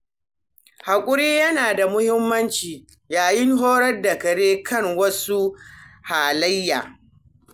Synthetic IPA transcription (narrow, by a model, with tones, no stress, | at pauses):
ha˨kʷʼʊ˦ɾiː˦jɐ˦naː˨da˨mʊ˦hɪ˦mːɐ˦nt͡ʃiː˨ | jaː˨jɪ˦ŋɦoː˦ɽɐ˦rdɐ˨kɐ˨ɽeː˦kʰɐ˦ŋwɐ˦su˦haː˨lɐ˦jːaː˨